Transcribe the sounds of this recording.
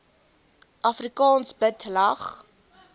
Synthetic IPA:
ʔɐfrikɑːnsbətlɐχ

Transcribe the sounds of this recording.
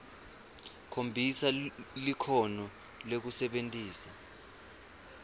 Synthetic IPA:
kʰombʱisalikʰɔnɔ | lek̬usɛɓentʼiːsa

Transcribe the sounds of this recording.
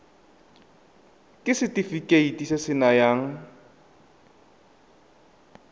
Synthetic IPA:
kʼɪsɪtifikʼeitʼisesɪnajaːŋ̩

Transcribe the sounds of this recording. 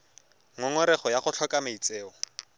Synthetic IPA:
ŋɔŋɔɾɛχɔjaχʊɬʰɔkʼameit͡sʼeːɔ

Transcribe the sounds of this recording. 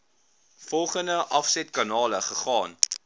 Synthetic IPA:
fɔlˠχəndəʔɐfsɛtkɑnɑːləχəχɑːn

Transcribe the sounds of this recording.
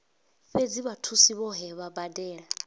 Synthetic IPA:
ɸed͡ziβatʰusiβɔɦɛβabadɛːɺa

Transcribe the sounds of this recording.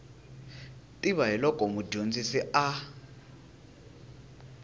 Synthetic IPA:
tʼiβaɦilɔkʼɔmuɟond͡zisia

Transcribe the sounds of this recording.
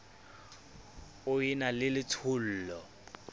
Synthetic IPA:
ʊinalɪlɪt͡sʰʊl̩ːlɔ

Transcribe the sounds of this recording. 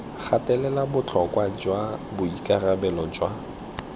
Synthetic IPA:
χʰatʼɛlɛlabʊt͡ɬʰɔkʼwad͡ʒwabʊikʼarabɛlɔd͡ʒwa

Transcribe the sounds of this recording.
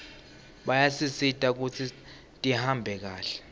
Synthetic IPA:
ɓajasisitʼak̬ut͡sʰi | tʼihambʱɛk̬aːɬɛ̥

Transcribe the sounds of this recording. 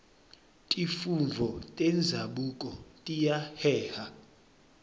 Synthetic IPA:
tʼifuɱvʱɔtʼɛnd͡zʱaɓukʼɔtʼijahɛːha

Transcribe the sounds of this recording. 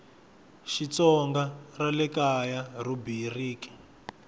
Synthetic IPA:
ʃit͡sɔŋɡaralɛkajarubiriːki̥

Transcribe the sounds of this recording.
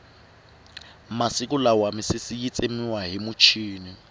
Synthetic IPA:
masɪkʼʊlawamɪsɪsijit͡sʼemiwaɦimʊt͡ʃʰiːni

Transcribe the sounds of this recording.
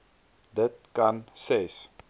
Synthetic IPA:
d̪ət̚kanses

